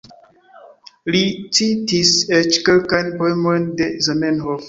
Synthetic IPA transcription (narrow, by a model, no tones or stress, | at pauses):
lititiset͡ʃkelkajnpoemojndezanenɦof